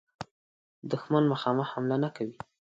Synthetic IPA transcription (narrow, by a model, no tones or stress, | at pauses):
d̪ʊxmanmaxɑmaxhamlanakawi